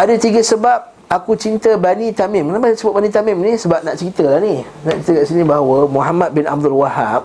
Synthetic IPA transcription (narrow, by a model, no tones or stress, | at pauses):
adət̪iɡəsəbap̚ | akut͡ʃint̪əbanit̪amɪmnapasəbaʔbanĩt̪amɪmnisəbap̚nãʔt͡ʃəɾit̪əlahni | nãʔt͡ʃit̪əkaʔsinĩbaɦawəmuɦamãt̪̚bɪna̰b̚d̪ʊlwahap̚